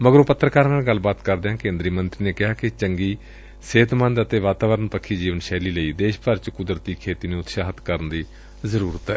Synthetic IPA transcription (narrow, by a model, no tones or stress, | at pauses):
məɡəɾũːpət̪ːɾəkaːɾnaːɡəlːbaːt̪kəɾd̪eɦãːkẽːnd̪ɾiːmənt̪ɾiːneːkɪɦaːkɪt͡ʃəŋɡiː | seːt̪mə̃nd̪ət̪eːʋaːt̪aːʋəɾənpəkʰːiːd͡ʒiːʋənʃɛːliːləiːd̪eːʃpəɾt͡ʃkʊd̪ɾət̪iːkʰeːt̪iːnũːʊt̪ʃaːɦət̪kəɾənd̪iː | zəɾuːɾət̪ɛː